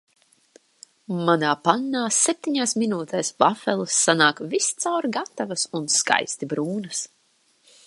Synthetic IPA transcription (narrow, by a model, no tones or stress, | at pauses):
manaːpanːaːsɛp̚ʲt̪ʲiɲaːsminuːt̪ɛːsbafɛlˠɨsːanaːkvist̪sawɾɡat̪ːavasunska̰jst̪ibɾuːnɐs